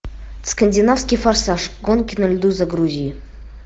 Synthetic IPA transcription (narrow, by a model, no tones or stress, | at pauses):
skənʲdʲinafsʲkʲifarsaʂɡonkʲinəlʲd̪uzaɡɾuzʲij